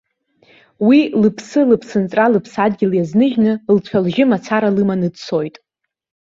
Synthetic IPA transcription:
wilɨpʰsɨlɨpʰsɨnt͡sʼralɨpʰsadɡʲɪljaznɨʒnɨlt͡ɕʷʰalʒɪmat͡sʰaɾalɨmanɨdt͡sʰo̞jtʼ

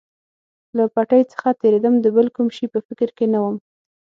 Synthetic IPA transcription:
lapaʈajt͡sə̥xat̪eɾed̪əmd̪əbəlkumʃipəfɪkɾkenawəm

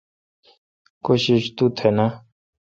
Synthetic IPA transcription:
koɕiʃt̪ut̪ʰena

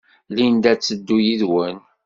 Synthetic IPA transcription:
lind̪æt͡sːəd̪ːujiðwən

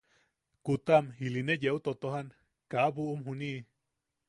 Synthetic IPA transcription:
kut̪amhilinejeʔut̪ot̪oɦan | kaβuʔumɦuniʔ

